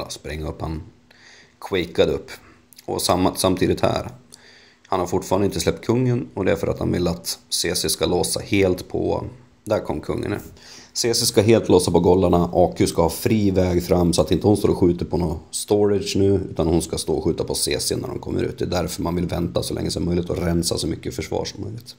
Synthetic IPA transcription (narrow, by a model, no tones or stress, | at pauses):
spɾɪŋːaɵpːan | kʰwɛjkad̪əɵpː | ɔ̰samasamt̪ʰiːd̪ɪt̪hæ̰ːɾ | hanhaɾfʊʈfɑːɾanɪnt̪əslɛp̚t̪̚kʰɵŋːənɔd̪ɛæɾfœɾa̰t̪ha̰nvɪ̰lːat̪seːsɪskaloːsaheːlt̪pʰɔ̰ | d̪æɾkʰɔmːkʰɵ̰ŋːa̰na̰ | seːsɪskaɦeːlt̪ʰloːsapɔɡɔlːaɳaʔɑːkʰʉskahɑːfɾiːvɛːɡfɾamːsɔat̪ɪnt̪əhʊnst̪oːɾɔɧʉ̟ːt̪əpʰɔnoːst̪ɔɾɪʂnʉ̟ːʉ̟ːt̪anhʊnskast̪oːɔɧʉ̟ːt̪apʰɔseːsɪnæ̰ɖɔ̰mkʰɔmːə̰ɾʉ̟ːt̪̚d̪ɛd̪æɾfœɾmanvɪlvɛnt̪asɔlɛ̰ŋːəsɔmːœjlɪt̪ɔɾɛnsa̰sɔmʏkːəfœʂvɑ̰ːʂɔmːœjlɪɡt̪